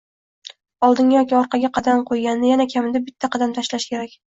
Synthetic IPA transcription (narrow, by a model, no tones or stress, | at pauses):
ɒlˠd̪ɪŋʲjɒkʲiɒɾqʰɑɡʲaqʰɑd̪amqʰojɡʲanːɪjanakʲʰamɪd̪abɪt̪ʰːaqʰɑd̪amt̪ʰaʃlaʃkʲʰe̞ɾakʲ